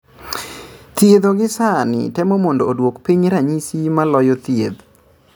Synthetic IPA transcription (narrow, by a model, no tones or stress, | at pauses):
t̪jeðoɡɪsanɪ̰tɛmɔmɔndoːdwokpiɲɾaɲisimalɔjɔt̪jed̪